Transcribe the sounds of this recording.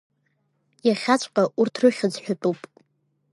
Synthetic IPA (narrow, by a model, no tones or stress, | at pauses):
jaχʲat͡ɕʷʼqʼaʔurtʰrɨχʲad͡zħᶣat͡pʼupʼ